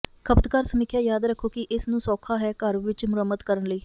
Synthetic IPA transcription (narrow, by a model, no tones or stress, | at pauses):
kʰəpt̪kaːɾsəmɪkʰjaːjaːd̪ɾəkʰːoːkɪʔɪsnũːsɔːkʰaːɦɛːkəɾʋɪt͡ʃmʊɾəmːət̪kəɾənləiː